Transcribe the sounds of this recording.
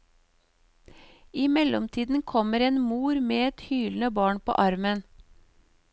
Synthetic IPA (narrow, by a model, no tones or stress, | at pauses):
iːmɛlɔmt̪ʰiːd̪n̩kʰɔməɾeːnmuːɾmeːɛt̪hyːln̩əbɑːɳpʰo̰ːʔɑɾmən